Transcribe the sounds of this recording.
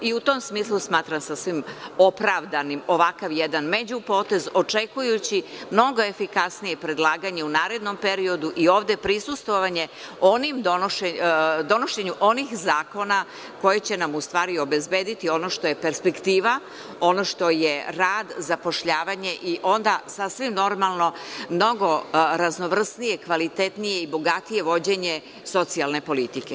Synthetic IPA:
iut̪o̞ːmsmiːslˠusmaːt̪ɾamsasʋimopɾaʋd̪animo̞ʋakaʋjed̪anme̞d͡ʑupo̞ːt̪e̞zo̞t͡ʂe̞kujut͡ɕimno̞ɡo̞e̞fikasnije̞pɾe̞d̪lˠaːɡaɲeunaːɾe̞d̪no̞mpe̞ɾio̞d̪uʔio̞ːʋd̪e̞pɾisust̪ʋoʋaɲe̞ | o̞nimd̪onoʃed̪o̞noʃe̞ɲuʔo̞nixzaːko̞na | ko̞jet͡ɕe̞namust̪ʋaːɾio̞be̞zbe̞ːd̪it̪io̞no̞ʃt̪o̞je̞pe̞ɾspe̞kt̪iːʋa | o̞no̞ʃt̪o̞jeɾaːd̪zapo̞ʃʎaːʋaɲe̞ʔiʔo̞nd̪asasʋimno̞ɾmalˠno̞mno̞ɡo̞ɾazno̞ʋr̩snije̞kʋalit̪e̞t̪nije̞ibo̞ɡat̪ije̞ʋo̞d͡ʑe̞ɲe̞ | so̞t̪sialne̞po̞lit̪ike̞

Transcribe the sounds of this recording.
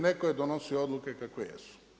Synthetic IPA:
nekoed̪onosiood̪lukekakʋejḛsu̥

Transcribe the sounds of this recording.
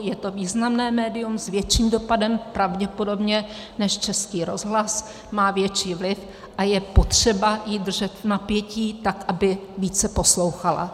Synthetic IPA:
jɛt̪o̞viːznamnɛːmɛːdɪjumzvjɛt͡ʃiːmdo̞padɛmpɾavɟɛpo̞do̞bɲɛ | nɛʃt͡ʃɛskiːɾo̞zɦlas | maːvjɛt͡ʃiːvlɪf | ʔajɛpo̞t̪r̝̥ɛbajid̪r̩ʒɛt̪napjɛciːt̪akʔabɪviːt͡sɛpo̞slo̞wxala̰

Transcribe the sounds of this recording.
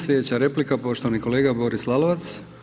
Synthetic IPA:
slʲed̪et͡ɕaɾe̞plikapo̞ʃt̪oaniko̞leːɡabo̞ɾislˠalˠoʋat̪s

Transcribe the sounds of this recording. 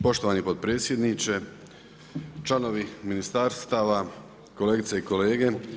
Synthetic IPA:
po̞ʃt̪o̞ʋanipod̪̚pɾeːt̪sʲje̞d̪nit͡ʃe̞ | t͡ʃlˠano̞ʋiminist̪aːɾst̪aːʋa | ko̞le̞ːɡit̪seiko̞le̞ːɡe̞

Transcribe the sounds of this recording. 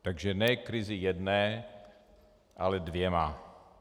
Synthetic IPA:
t̪aɡʒɛnɛkɾɪzɪjɛdnɛː | ʔalɛdvjɛma

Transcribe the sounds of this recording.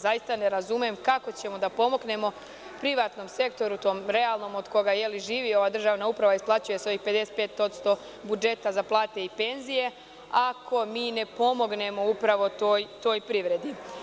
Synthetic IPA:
zajist̪ane̞ɾazumemkako̞t͡ɕe̞mo̞d̪apo̞mo̞ɡne̞mo̞ | pɾiʋaːt̪no̞mse̞kt̪o̞ɾut̪o̞ːmɾe̞alˠno̞mod̪ko̞ɡajeliʒiːʋio̞ʋaːd̪r̩ʒaːʋnaupɾaʋaisplˠat͡ʃuje̞so̞ʋixpe̞d̪e̞set̪pe̞ːt̪o̞t̪st̪o̞ | bud͡ʒe̞t̪azaplˠaːt̪e̞ipe̞nzije̞ | akʰo̞miːne̞po̞mo̞ɡne̞mo̞upɾaʋo̞t̪oːjt̪o̞ːjpɾiʋɾe̞d̪i

